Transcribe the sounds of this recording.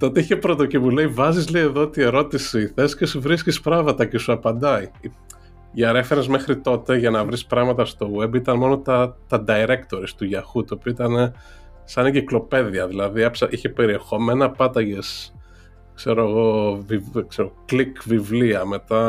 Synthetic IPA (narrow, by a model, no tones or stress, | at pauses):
t̪oot̪eiçepɾo̞t̪o̞cipule̞ivɐzizleie̞ðo̞ot̪ie̞ɾo̞t̪isiθe̞scesuvɾiscispɾɐmɐt̪ɐce̞suɐpɐnd̪ɐii | ɐɾe̞fe̞ɾezmexɾit̪o̞t̪e̞ʝɐnɐvɾispɾɐɣmɐt̪ɐst̪o̞we̞bit̪ɐnmo̞no̞t̪ɐt̪ɐd̪ɐiɾe̞kt̪o̞ɾist̪uʝɐxut̪uopioit̪ɐne | sɐniɟiklo̞pe̞ðiɐðilɐðiɐpsɐʔiçe̞pe̞ɾie̞xo̞me̞nɐpɐt̪ɐʝe̞s | kse̞ɾoɐɣo̞vikseɾooklikvivliɐme̞t̪ɐ